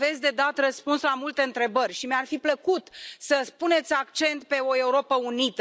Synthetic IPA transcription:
ve̞t̪sʲd̪e̞d̪at̪rəspunslamult̪e̞ɨnt̪ɾe̞bərʲʃimearfipləkut̪səpune̞t̪sʲakt͡ʃe̞nt̪pe̞o̞e̞uɾo̞pəunit̪

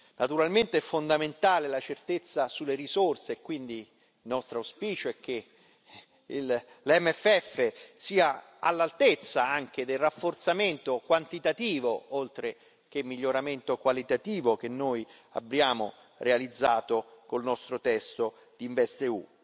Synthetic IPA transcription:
nʔat̪uɾalment̪eɛfːond̪ament̪aːlelat͡ʃert̪et̪sːasulːeɾisorseːkːwind̪i | nɔst̪ɾauspiːt͡ʃoɛk̟ːe | il | lɛmːɛfːɛfːesiːa | a̰lːalt̪et̪sːaaŋk̟ed̪elrafːort̪sament̪okwant̪it̪at̪iːvoolt̪ɾe | k̟emːiʎːoɾament̪okwalit̪at̪iːvok̟enːoːj | a̰bːɾjaːmo | realid̪zːaːt̪okolnɔst̪ɾot̪ɛst̪o | d̪iːɱvɛst̪eṵ

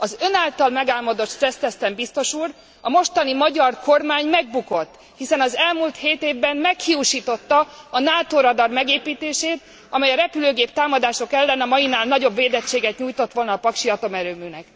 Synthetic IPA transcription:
ɒzø̞naːlt̪ɒlmɛɡaːlmɒd̪o̞t̪ʃt̪rɛst̪ɛst̪ɛmbist̪o̞ʃuːr | ɒmo̞ʃt̪ɒnimɒɟɒrko̞rmaːɲmɛɡ̚buko̞t̪ː | hisɛnɒzɛlmuːlt̪heːt̪eːvbɛmmɛkhiuʃiːt̪o̞t̪ːɒɒnaːt̪oːɾɒd̪ɒrmɛɡeːpiːt̪eːʃeːt̪ | ɒmɛjɒɾɛpyløːɡeːp̚t̪aːmɒd̪aːʃo̞kɛlːɛnɒmɒjinaːlnɒɟo̞bveːd̪ɛt͡ʃːeːɡɛt̪ɲuːjt̪o̞t̪ʋo̞lnɒːpɒkʃiɒt̪o̞mɛɾøːmynɛk

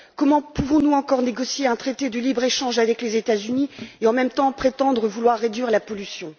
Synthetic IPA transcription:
kɔmɑ̃puvɔ̃nuɑ̃kɔʁneɡɔsjeɛ̃t̪χet̪ed̪əlibʁeʃɑ̃ʒavɛklezet̪azynieɑ̃mɛmt̪ɑ̃pχet̪ɑ̃d̪ʁəvulwaʁːed̪ɥiʁlapɔlysjɔ̃

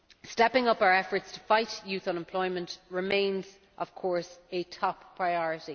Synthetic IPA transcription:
stɛpɪ̃ŋʌpaʊə˞ɛfə˞tstʰə̥faɪtjʉθə̃nɛ̃mpʰl̥ɔɪmə̃nʔɹɪmẽɪ̃nz | ʔəv̥kʰɔɹsətʰɔppʰɹ̥aɪɔɹɪti

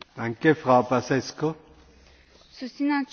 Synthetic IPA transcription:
d̪ãŋkefʁapasɛsko | susinãt͡ʃ

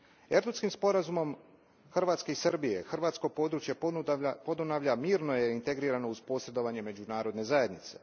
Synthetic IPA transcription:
e̞ɾd̪uskimspo̞ɾazumo̞m | xr̩ʋaːt̪ske̞isrbije̞xrʋaːt̪sko̞po̞ːd̪ɾuːt͡ʃjepo̞d̪unaʋʎamiːɾnojeint̪e̞ɡɾiːɾano̞uzpo̞ːsɾe̞d̪o̞ʋaɲe̞me̞d͡ʑunaːɾo̞d̪ne̞zaje̞d̪nit̪se̞̥

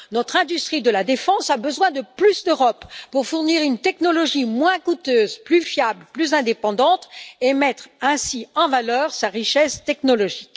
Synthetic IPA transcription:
nɔt̪χɛ̃d̪yst̪χid̪əlad̪efɑ̃sabəzwɛ̃d̪əplysd̪øʁɔpːuʁfuʁniʁynt̪ɛknɔlɔʒimwɛ̃kut̪øːzplyfjablplyzɛ̃d̪epɑ̃d̪ɑ̃t̪emɛt̪χɛ̃siɑ̃valœːʁsaʁiʃɛst̪ɛknɔlɔʒik

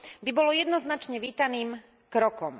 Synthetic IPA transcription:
bibɔlɔjɛd̪nɔznat͡ʃɲɛʋiːt̪aniːm | kɾɔkɔm

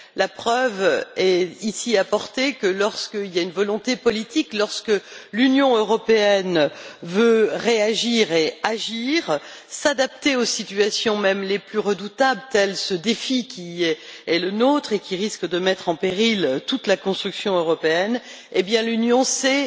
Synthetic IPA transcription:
lapχœvɛisiapɔʁt̪ekəlɔʁskəiljaynvɔlɔ̃t̪epɔlit̪iklɔʁskəlynjɔ̃øʁɔpeɛnvøʁeaʒiʁeaʒiʁsad̪ap̚t̪eosit̪ɥasjɔ̃mɛmleplyʁəd̪ut̪ablt̪ɛlsəd̪efikʲiɛɛlənot̪χekʲiʁiskd̪əmɛt̪χɑ̃peʁilt̪ut̪lakɔ̃st̪χyksjɔ̃øʁɔpeɛn | ebjɛ̃lynjɔ̃sɛ

